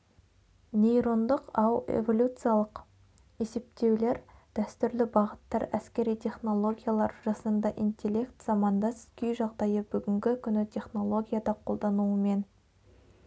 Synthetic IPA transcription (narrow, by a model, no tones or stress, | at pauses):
nʲe̞jɾo̞nd̪əqɑwḛvo̞lʲut̪sɨjalˠəq | e̞se̞p̚t̪e̞wle̞ɾd̪̥æst̪ʏɾlɪbɑʁət̪ːɑɾæskʲe̞ɾijt̪ʲʰe̞χno̞lˠo̞ɡʲijalˠɑɾʒɑsənd̪ɑʔint̪ʲe̞lʲːe̞kt̪z̥ɑmɑnd̪ɑskʲʏjʒɑʁd̪ɑjəbʏɡʲɪŋɡʲɪkʲʰʏnɪt̪ʰʲe̞χno̞lˠo̞ɡʲijad̪ɑqʰo̞lˠd̪ɑnuəme̞n